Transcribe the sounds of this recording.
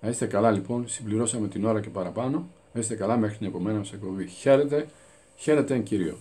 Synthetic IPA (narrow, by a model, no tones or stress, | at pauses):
nɐist̪e̞kɐlɐlipo̞nsimbliɾo̞sɐme̞t̪ino̞ɾɐce̞pɐɾɐpɐno̞nɐist̪e̞kɐlɐme̞xɾinepo̞me̞nɐmɐsekpoviçe̞ɾet̪e̞ | çe̞ɾe̞t̪e̞eɲciɾio̞̰